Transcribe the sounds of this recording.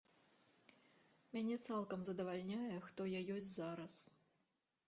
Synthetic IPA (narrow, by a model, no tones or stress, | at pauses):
mʲɛnʲet̪sɛlˠkəmzɐd̪ɐvalʲnʲæjɛxt̪ojajosʲtʲzɑɾɐs